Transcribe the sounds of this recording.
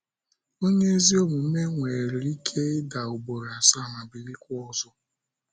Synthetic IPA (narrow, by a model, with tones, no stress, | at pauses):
o˦ɲe˦e˦zi˦o˦mu˨m̩˦me˦ŋʷe˨ɾi˨ɾi˦kʰe˦ɪ˦da˨ʊ˨bo˨ɾa˨sa˦˨ŋa˨bi˨ɾi˦kʷɔ˦zɔ˦